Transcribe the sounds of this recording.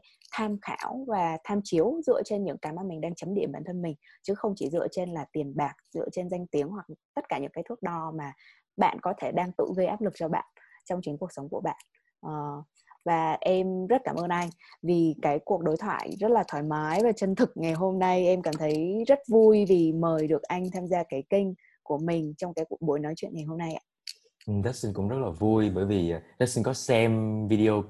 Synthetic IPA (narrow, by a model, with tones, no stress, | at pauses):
t̪ʰaː˧mxa̰ː˧˩wvaː˨˩t̪ʰaː˧mt͡ɕi˨˦əwzɨ̰˧˨ət͡ɕe˧nɲɨ̰˧˥ŋkaː˧˩mʔaː˧nmï˨˩ŋ̟ɗaː˧ŋt͡ɕə˨˦mɗḭ˧˩əmɓaː˧˩nt̪ʰə˧nmï˨˩ŋ̟t͡ɕɨ˨˦xə˧wŋ͡mt͡ɕi˧˩zɨ̰˧ət͡ɕe˧nlaː˨˩t̪i˨˩ənɓaː˨˩k̚zɨ̰˧ət͡ɕe˧nza˧jŋ̟t̪i˨˦əŋɦwa˨˩k̚t̪ə˦˥t̚kaː˧˩ɲɨ̰˧˥kaː˨˦t̪ʰɨ˦˥ək̚ɗɔ˧maː˨˩ | ɓa̰ː˧˨nkɔ˨˦t̪ʰe˧˩ɗaː˧ŋt̪ɨ̰˧˨ɣə˧jʔaː˦˥p̚lɨ˨˩k̚t͡ɕɔ˧ɓa̰ː˧˨n | t͡ɕɔ˧wŋ͡mt͡ɕï˨˦ŋku˨˩əksə˨˦wŋ͡mku˧˩əɓa̰ː˧˨n | ʔː | vaː˨˩ʔɛ˧mzə˦˥t̚kaː˧˩mʔəː˧nʔa˧jŋ̟ | vi˨˩kaː˨˦jku˨˩ək̚ɗo˨˦jt̪ʰwa̰ː˧˨jzə˦˥t̚laː˨˩t̪ʰwaː˧˩jmaː˨˦jvaː˨˩t͡ɕə˧nt̪ʰɨ˨˩k̚ŋa˨˩jɦo˧mna˧jʔɛ˧mkaː˧˩mt̪ʰə˨˦jzə˦˥t̚vu˧jvi˨˩məː˨˩jɗɨ˨˩ək̚ʔa˧jŋ̟t̪ʰaː˧mzaː˧kaː˨˦jkï˧ŋ̟ | ku˧˩əmï˨˩ŋ̟t͡ɕɔ˧wŋ͡mkaː˨˦jku˧˨˩ək̚ɓo˨˦jnɔ˨˦jt͡ɕwḭ˧˨nŋa˨˩jɦo˧mna˧jʔa̰ː˧˩ | ʔza˦˥si˧ŋkʊ̰˧˥ŋ͡mzə˦˥t̚laː˨˩vu˧jɓəː˧˩jvi˨˩˨ɗa˦˥t̚si˧nkɔ˨˦sɛ˧mvi˧ɗi˧o˧